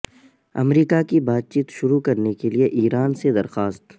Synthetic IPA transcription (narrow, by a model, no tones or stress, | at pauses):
ɐ̰mɾiːkakibaːt̪̚t͡ʃiːt̪ʃʊɾukɐɾnekelieʔiːɾaːnsed̪ɐɾxaːst̪